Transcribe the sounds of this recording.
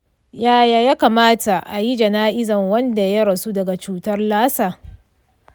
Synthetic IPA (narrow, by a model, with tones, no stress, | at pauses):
jaː˦jaː˨jaː˦kaː˨maː˦ta˨ʔa˨ji˦d͡ʒɐ˨naː˦ʔɪ˦zɐ˨ŋwɐ˦nda˨jɐ˦ɽɐ˨su˦dɐ˨ɡa˨t͡ʃuː˦tɐ˦rlaː˦saː˨